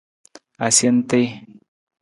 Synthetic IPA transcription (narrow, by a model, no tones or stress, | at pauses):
asjent̪ej